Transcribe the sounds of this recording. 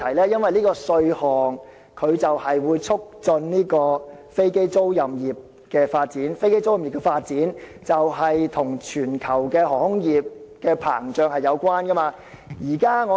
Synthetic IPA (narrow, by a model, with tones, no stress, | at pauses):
ɐ˨˩jlɛː˥jɐ˥nwɐ˨jliː˥kɔː˧sɵ˧ɥhɔː˨ŋ | kʰɵ˨˧ɥt͡sɐ˨whɐ˨jwuː˨˧jt͡sʰʊ˥k̚t͡sɵ˧nniː˥kɔː˧fe˥jke˥jt͡so˥wjɐ˨mjiː˨˩p̚ | kɛː˧faː˧t̚t͡siː˨˥nfe˥jke˥jt͡so˥wjɐ˨mji˨˩pkɛː˧faː˧t̚t͡siː˨˥nt͡sɐ˨wɦɐ˨jt̪ʰʊ˨˩ŋt͡ʃʰyː˨˩nkʰɐ˨˩wkɛː˧ɦɔː˨˩hʊ˥ŋjiː˨p̚kɛː˧pʰa̰ː˨˩ŋt͡ʃœː˨˧ŋhɐ˨jːɐ˨˧wkʷaː˥nkɐ˥maː˧ | jiː˨˩kaː˥ŋɔː˨˧